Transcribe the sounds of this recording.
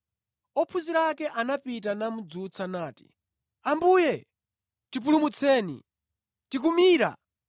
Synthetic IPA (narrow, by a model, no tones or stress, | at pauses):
ɔpʰuziɾakɛʔanapitanamud͡zut͡sʰanaːti̥̰ | ambuːjɛ | tipulumut͡sʰɛːnḭ | tik̬umiːɾa̰